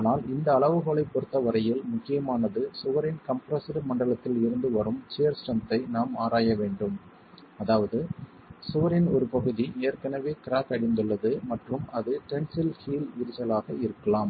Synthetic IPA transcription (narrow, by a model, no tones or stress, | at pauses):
naːlɪnd̪ɐːɭɐʋɯɣoɭɐɪpːɔɽɯt̪ːɐʋɐɾɐjɪlmʊkːɪjɐmaːnɐðɯsʊʋɐɾɪnkɐmpɾɐsɪɾɯmɐɳɖɐɭɐt̪ːɪlɪɾɯnd̪ɯʋɐɾɯmt͡ʃejɐɾsʈɐnt̪ːɐɪnaːmaːɾaːjɐʋeːɳɖɯm | ɐðaːʋɐðɯ | sʊʋɐɾɪnɔɾɯpɐɣɯðieːrkɐnɐʋeːkɪɾaːkɐɽɪnd̪ɯɭːɐðɯmɐʈrɯmɐðɯʈɛɳsɪlhiːlʋɪɾɪt͡ʃɐlaːɣɐɪɾɯkːɐɭaːm